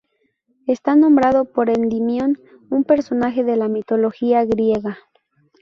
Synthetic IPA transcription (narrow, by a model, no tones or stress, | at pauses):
est̪anõ̞mbɾaðo̞po̞ɾend̪imjo̞n | umpe̞ɾso̞naxe̞ðe̞lamit̪o̞lo̞xiaɣɾje̞ɣa